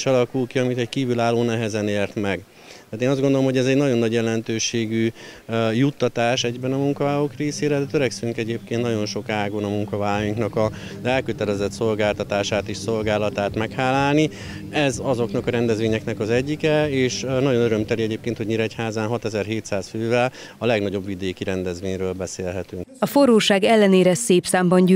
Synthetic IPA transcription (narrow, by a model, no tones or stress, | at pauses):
ʃɒlɒkulkiɒmit̪ɛckiːvylaːlːoːnɛɦɛzɛneːrt̪mɛɡ | t̪aːt̪eːnɒzdɡo̞nd̪olomɦoɟɛzɛɟnɒɟo̞nːɒɟjɛlɛnt̪øːʃeːɡy | jut̪ːɒt̪aːʃɛɟbɛnɒmuŋkɒvaːɦoːkreːseːɾɛd̪ɛt̪øɾɛksyŋkɛɟeːp̚keːnnɒɟo̞nʃo̞kaːɡonɒmuŋkɒvaːjuŋknɒkɒ | zɛlkøt̪ɛlɛzɛt̪so̞lɡaːlt̪ɒt̪aːʃaːt̪eːʃso̞lɡaːlɒt̪aːt̪mɛkhaːlːaːlni | ɛzɒzo̞knɒkɒɾɛnd̪ɛzvʋeːɲɛknɛkɒzɛɟːikɛeːʃnɒɟo̞nøɾømt̪ɛliɛɟeːpkeːnt̪ho̞ɟmiɾɛchaːzaːnɦɒt̪ɛzɛrɦeːt̪saːsføːvɛl | ɒlɛɡnɒɟo̞bʋid̪eːkiɾɛnd̪ɛzʋeːɲrøːlbɛseːlɦɛt̪yŋkɒfoɾoːʃaːɡɛlːɛneːɾɛseːpsaːmbɒɲɟy